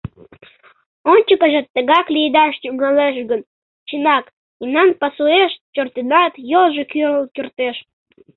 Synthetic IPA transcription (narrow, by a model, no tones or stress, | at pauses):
onʲt͡ɕəkəʒet̪ːəɡɑklʲid̪ɑʃt̪ʲuɡɑleʃ̬ɡə̆n | t͡ɕinɑk | inɑnpɑsueʃt͡ɕort̪inɑt̪jolˠʒekyɾəlˠkʲyrt̪eʃ